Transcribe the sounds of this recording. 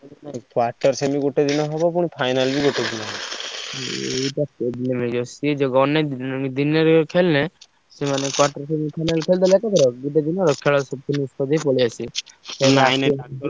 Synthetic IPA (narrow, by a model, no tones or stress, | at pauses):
nakwaɾʈɔɾsemiɡoʈed̪inɔɦɔbɔpuɽ̃ipʰajnalbiɡoʈed̪inɔɦɔbɔ | eʈaeblemed͡ʒɔsed͡ʒɔɡɔned̪ineɾkʰelnɛ | semanekwaɾʈɔɾsemipʰajnalkʰeld̪ɔlɛk̪at̪ʰɔɾɔɡiʈed̪inɔɾɔkʰːeɭɔsɔb̚kinuskɔd̪ejpɔɭiasisɛajnl